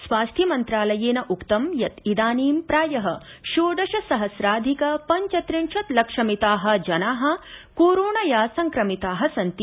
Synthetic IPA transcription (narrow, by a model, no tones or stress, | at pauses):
sʋaːst̪ʰjɐmɐnt̪ɾaːlɐjeːnɐʔukt̪ɐmjɐt̪id̪aːniːmpɾaːjɐɦɐ | ʃoːɖɐʃɐsɐɦɐsɾaːd̪ʱikɐpɐɲt͡ʃɐt̪ɾiɳʃɐt̪lɐkʂɐmit̪aːɦɐ̆d͡ʒɐnaːɦɐ̆koːɾoːɳɐjaːsɐŋkɾɐmit̪aːɦɐsɐnt̪i